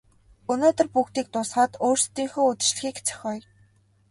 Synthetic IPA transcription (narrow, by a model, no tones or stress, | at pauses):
ɵnoːt̪ə̆rpuːkt̪iːk̚t̪ʊsχaːt̪oːrst̪iːŋxuːʊt̪ɪ̆t͡ɕɮɘ̆xiːkt͡sʰœ̥xʲɔːj